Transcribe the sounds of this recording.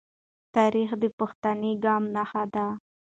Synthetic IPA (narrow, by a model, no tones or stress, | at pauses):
t̪ɑɾixd̪əpʊxt̪aneɡɑmnaxad̪a